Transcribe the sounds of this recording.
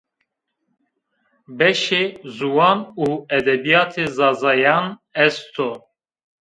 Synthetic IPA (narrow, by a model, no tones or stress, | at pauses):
bɛʃeːzuwɑːnuːɛd̪ɛbijɑːt̪ʰezɑːzɑːjɑːnɛst̪ʰo